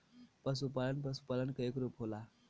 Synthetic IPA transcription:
pəs̬upalənpəsu̥palənkəekɾupɦola

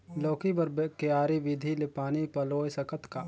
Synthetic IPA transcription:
loːkibɐɾbkeaːɾiʋɪd̪ʱilepaːnipɐloːjsɐkət̪kaː

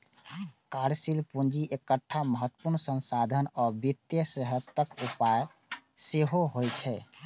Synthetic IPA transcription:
kaɾsilpund͡ʒiʔekəʈʰːaməɦət̪ːə̥puɾnsənsad̪ʱənɔbit̪jəsəɦət̪ːəkupaj | seɦoɦojt͡ʃʰɛ

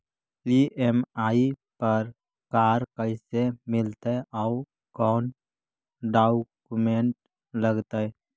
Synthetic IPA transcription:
iʔemaːipəɾ | kaːɾkəɪsemɪlt̪eʔaʊ | kɔːn | ɖaːkkumeɳʈ̚ | ləɡt̪e

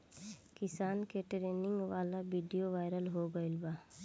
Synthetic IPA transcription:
kɪsaːnkeʈɾeːnɪ̃ŋɡʋaːlabiːɖijoʋaːɪɾəlɦoːɡəɪlbaː

